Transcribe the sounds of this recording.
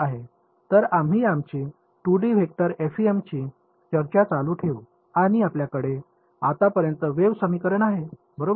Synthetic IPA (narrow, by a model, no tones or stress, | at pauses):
aɦe | t̪əɾamɦiːamt͡ɕiː | ʈuɽiʋʱek̚t̪əɾefiemt͡ɕiː | t͡ɕəɾt͡ɕat͡saluːʈʰeʋu | aɽ̃iapljakəɽe | at̪apəɾjənt̪əʋeʋsəmiːkəɾənaɦe | bəɾo